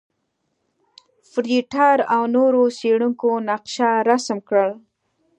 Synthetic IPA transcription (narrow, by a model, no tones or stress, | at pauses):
fɾiʈɑɾawnoɾoseɽuŋkonaqʃaɾasmkɽəɭ